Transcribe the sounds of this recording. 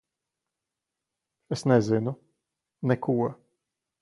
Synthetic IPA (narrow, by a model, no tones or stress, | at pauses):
esnɛzinu | nɛkʰuɔ